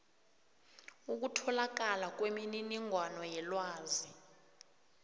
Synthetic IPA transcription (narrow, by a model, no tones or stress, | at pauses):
uk̬utʰɔlak̬alak̬ʼwemininiŋʱwanɔjɛlwaːzi